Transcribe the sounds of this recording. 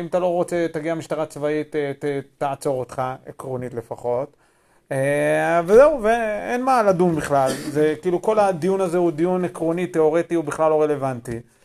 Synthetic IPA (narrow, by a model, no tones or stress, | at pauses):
imat̪alo̞ʁot͡set̪aɡiamiʃt̪aʁat͡svait̪eetaat͡so̞ʁot̪χaekʁonit̪le̞faχo̞t̪ | vezeuveenmaːladumbiχlalzekiːluko̞lad̪ijunazehud̪ijunekʁonit̪eo̞ʁet̪iubiχlalo̞ʁele̞vant̪i